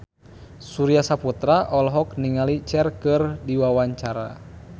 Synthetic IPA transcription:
suɾiasaput̪ɾaʔɔlɦɔkniŋalit͡ʃɛrkɨrdiwawaɲt͡ʃaɾa̰

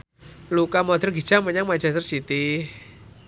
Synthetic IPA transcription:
lukamɔd̪ɛrɡi̥d͡ʒ̥aməɲaŋmat͡ʃɛst̪ərsit̪i

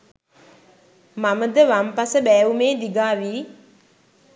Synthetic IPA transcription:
maməd̪əʋampasəbæːumeːd̪iɡaːʋiː

